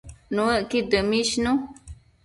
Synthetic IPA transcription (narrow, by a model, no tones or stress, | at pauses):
nũəʔkid̪əmĩʃnũ